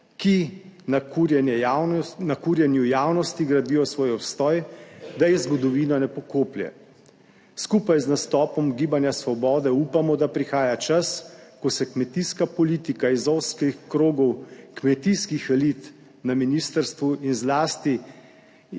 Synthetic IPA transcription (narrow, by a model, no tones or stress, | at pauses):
kinakuɾjɛnɛnakuːɾjɛnjujaːwnɔst̪iɡɾad̪iːjɔsʋɔːjɔpst̪ɔːjd̪ajɛzɡɔd̪ɔʋiːnɔnɛpɔkoːpljɛ̰ | skupajznast̪ɔːpɔmɡiːbanjasʋɔbɔːd̪ɛuːpamɔd̪apɾixaːjat͡ʃaskɔsɛkmɛt̪iskapɔliːt̪ikaizɔwskixkɾoːɡɔwkmɛt̪iskixɛlit̪ | naminist̪əɾst̪ʋuinzlaːst̪i